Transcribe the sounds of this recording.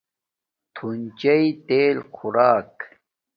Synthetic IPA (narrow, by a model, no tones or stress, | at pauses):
t̪ʰunt͡ɕɐit̪eːlkʰʊɾaːk